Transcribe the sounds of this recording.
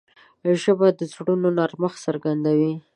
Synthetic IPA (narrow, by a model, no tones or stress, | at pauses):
ʒəbad̪əzɽunonɑɾməxsaɾɡand̪awi